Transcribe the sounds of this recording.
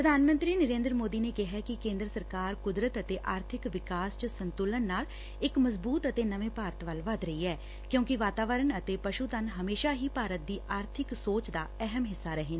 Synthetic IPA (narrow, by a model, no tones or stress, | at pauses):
ppɾəd̪ʱaːnmə̃nt̪ɾiːnəɾẽːnd̪ɾmoːd̪iːneːkɪɦɛːkɪkẽːnd̪ɾəsəɾkaːɾkʊd̪ɾət̪ət̪eːʔaːɾt̪ʰɪkʋɪkaːst͡ʃəsənt̪ʊlənːaːl | ɪkməzbuːt̪ət̪eːnəʋẽːpaːɾət̪ʋəlʋəd̪ɾəiːɛː | kjõːkɪʋaːt̪aːʋəɾənət̪eːpəʃuːt̪ənɦəmeːʃaːɦiːpaːɾət̪̚d̪iːʔaːɾt̪ʰɪksoːt͡ʃd̪aːɛɦəmɦɪsːaːɾəɦeːnː